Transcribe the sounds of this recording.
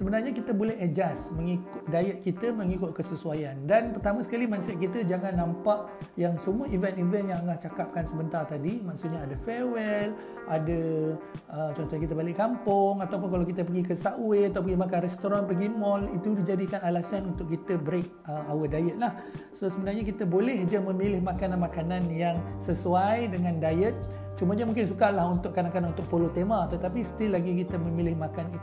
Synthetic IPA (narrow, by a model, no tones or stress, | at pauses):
səbənarɲakit̪əbolɛɦəd͡ʒasmə̃ŋikʊt̪̚dajət̪̚kit̪əmə̃ŋikʊt̪̚kəsəsuwajandanpərt̪amãsə̥kalimansɛt̪̚kit̪əd͡ʒaŋãnːãmpaʔ | jaŋsəmũəʔivɛntivɛnjaŋŋlaht͡ʃakap̚kansəbənt̪art̪adimãksuʔɲaːdəfɛwɛl | ʔadəʔət͡ʃɔnt̪ɔkit̪əbalɪʔkampʊŋat̪awp̬ʊnkalawkit̪əpəɡikəsaʔweat̪awpəɡimakanrɛst̪oɾanpəɡimɔlit̪udid͡ʒadikanalasanunt̪ʊʔkːit̪əbɾek̚əawədajəʔ̪̚lah | sosəmənarɲakit̪əbolɛhd͡ʒamə̃milɪhmakananmakananjaŋsəsuajdəŋãndajət̪̚ | t͡ʃumaɲamũŋkɪnsukalahunt̪ʊʔkanakanunt̪ʊk̚polot̪emat̪ət̪apisə̥t̪ilaɡik̬it̪əmə̃milɪhmakan